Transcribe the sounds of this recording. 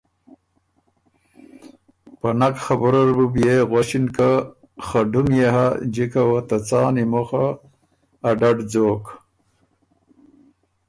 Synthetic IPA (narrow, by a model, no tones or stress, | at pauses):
panakxabuɾaɾbubjeɣwaɕinka | xaɖumjeɦad͡ʒikawat̪at͡sɑːnimoxaː | ɖaɖd͡zoːk